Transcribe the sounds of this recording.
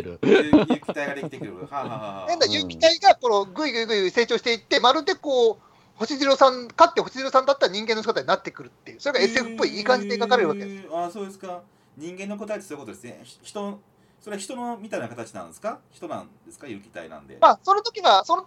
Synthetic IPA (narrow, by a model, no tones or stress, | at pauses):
ɾɯjkʲt̪aiɡad̪eit̪ekɯɾɯhaɦahnãnd̪ajɯ̟kʲi̥t̪aiɡako̞noɡɯ̟iɡɯ̟iɡɯ̟iɡɯise̞ːt͡ɕo̞ːɕi̥t̪e̞it̪ːe̞maɾɯ̟d̪e̞ko̞ː | ho̞ɕiziɾo̞sãnkat̪ːehoɕiziɾo̞sãnd̪at̪ːaɾaɲ̟ĩŋɡẽnːoɕi̥kot̪aɲinat̪ːe̞kɯ̟ɾɯ̟t̪ːe̞̰jɯ̟so̞ɾe̞ɡae̞se̞ɸɯ̟̥pːo̞iiːkãɲ̟d͡ʑid̪eɡakaɾeɾɯβaked̪esaso̞ːd̪esɨ̥ka | ɲ̟ĩŋɡẽ̞nːokot̪aet̪esoiɯkot̪od̪esɨnḛçi̥t̪oo | soɾe̞çi̥t̪o̞nomʲit̪ainakat̪at͡ɕinã̰nd̪esɨ̥kaçi̥t̪o̞nã̰nd̪e̞sɨ̥kajɯːkʲi̥t̪a̰ḭnã̰nd̪e̞̰maso̞not̪o̞kʲiɡaso̞no